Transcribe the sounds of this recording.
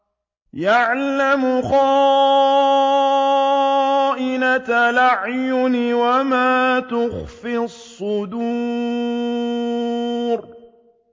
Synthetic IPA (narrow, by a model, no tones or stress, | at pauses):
jaʕlamʊxɑː | ʔɪnat̪alaʕjʊnɪwamaːt̪ʊxfisˤːʊd̪u | ɾ